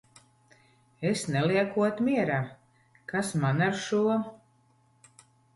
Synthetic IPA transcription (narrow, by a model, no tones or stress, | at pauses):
esnɛlˠiɛkuɔt̪miɛɾa | kasmanaɾʃuɔ